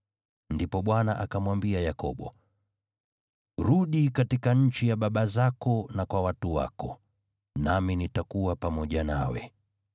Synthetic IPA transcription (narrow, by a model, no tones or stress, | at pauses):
ndipɔɓwanaʔakamwambiajakɔ̰ɓɔ̰ | ɾuɗikatikaɲ̩t͡ʃijaɓaɓazakɔnakwawatuwa̰kɔ | naminitakuwapamɔʄanawɛ̰